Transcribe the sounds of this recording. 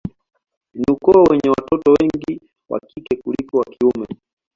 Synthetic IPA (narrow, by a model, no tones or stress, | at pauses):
niukɔɔwɛɲɛwa̰tɔtɔwɛŋɡi | wa̰kikɛkulikɔwakiumɛ